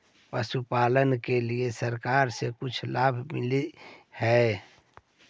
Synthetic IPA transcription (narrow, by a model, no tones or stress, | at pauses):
pəsupaːlənkeliesəɾkaːɾsekʊt͡ʃʰlaːbʱmɪ̰lihɛː